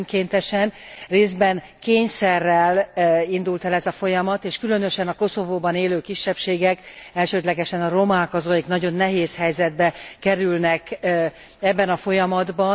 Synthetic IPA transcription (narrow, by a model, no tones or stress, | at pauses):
mkeːnt̪ɛʃɛnreːzd̪bɛn | keːɲsɛrːɛlind̪ult̪ɛlɛzɒfo̞jɒmɒt̪eːʃkylø̞nø̞ʃɛnɒko̞so̞voːbɒneːløːkiʃːɛpʃeːɡɛkɛlʃøːd̪lɛɡɛʃɛnɒɾo̞maːkɒzɒjiknɒɟo̞nːɛɦeːshɛjzɛd̪̚bɛkɛɾylnɛk | ɛbːɛnɒfo̞jɒmɒd̪bɒ